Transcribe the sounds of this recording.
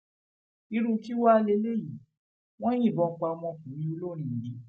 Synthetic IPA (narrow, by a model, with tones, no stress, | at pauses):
i˧ɾu˧ki˦wa˦˧le˧˦le˦ji˨˦ | w̃ɔ̃˦j̃ĩ˦˨bɔ̃˨˧k͡pa˧ɔ˧mɔ̃˧˨fũ˨˦mĩ˧o˧lo˦˨ɾ̃ĩ˧˨dĩ˧˦